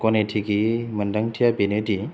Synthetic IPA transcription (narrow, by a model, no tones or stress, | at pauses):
kɔnetʰiɡimɐndɐŋtʰijabenidi